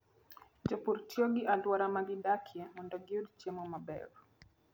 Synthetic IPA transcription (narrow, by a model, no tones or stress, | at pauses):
d͡ʒɔpuɾtiɔɡiʔalwaɾamaɡidakʰiɛmɔndɔɡudt͡ʃɛmɔmabɛ̰ɾ